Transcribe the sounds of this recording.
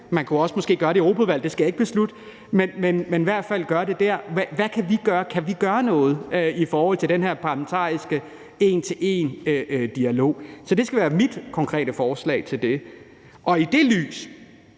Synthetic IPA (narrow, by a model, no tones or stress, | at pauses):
mænkʰuɒ̽səmɒ̽sɡ̥e̝̰ːɡ̥ɶːɐɾe̝ʁo̝ːpʰæʋæl̰d̥e̝sɡ̥æjɑ̈e̝ɡ̥əb̥e̝slud̥ə | menmenmeniʋæɐ̰d̥fæl̰ɡ̥ɶɐɾe̝d̥æɐ̰ʋæʋækʰæʋiɡ̥ɶːɐkʰæʋiɡ̥ɶːɐnɔ̽ːð̞̩ˠøifɒːhɒ̽l̰t͡sʰedenɦæɐ̰pʰɑ̈læment͡sʰɑ̰̈ːisɡ̥ə | e̝ːnt͡sʰe̝lʔe̝nød̥iælo̝̰ːsɒ̽d̥e̝sɡ̥æʋæːɐmid̥kʰɒ̽ŋkʰʁɛ̰ːɾ̥əfɒːslɛ̰ɪt͡sʰe̝ld̥e̝ | ʔɒ̽id̥e̝ly̰ːs